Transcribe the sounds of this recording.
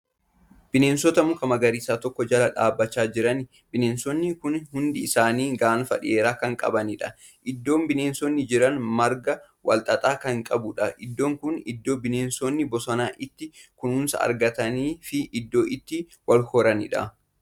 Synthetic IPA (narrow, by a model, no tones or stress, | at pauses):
b̥ɪneːnsɔt̪ɐmʊkɐmɐɡɐɾiːsaːt̪ɔkːɔd͡ʒɐlɐᶑaːbːɐt͡ʃːaːd͡ʒɪɾɐn | bɪneːnsɔnːɪkʊnhʊnd̪ɪːsaːniːɡaʔnfɐ̰ᶑɪ̰e̞ːɾaːkɐŋkʼɐ̰bɐnɪᶑɐ | ʔɪd̪ːo̞ːmbɪneːnsɔnːɪd͡ʒɪɾɐnmɐɾɡɐ | wɐ̰lt̪ʼɐt̪ʼaːkɐŋkʼɐbʊᶑɐʔɪd̪ːo̞ːŋkʊnɪ̰d̪ːo̞ːbɪneːnsoːnːɪbɔsɐnaːʔɪt̪ːɪkʊnʊːnsɐ̰ɐ̰ɾɡɐt̪ɐniːfɪʔɪd̪ːo̞ːʔɪt̪ːɪ | wɐlhɔɾɐnɪ̰ᶑɐ̰